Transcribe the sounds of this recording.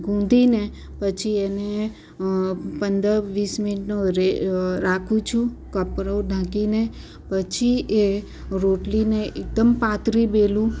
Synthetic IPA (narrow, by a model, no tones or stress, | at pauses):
ɡʱũnd̪ʱine | pət͡ʃʰiene | pənd̪əɾʋismɪniʈnuɾeɾakʰũt͡ʃʰũkəpɾəɖʱãkine | pət͡ʃʰie | ɾoʈlineʔek̚d̪əmpat̪ɾibelũ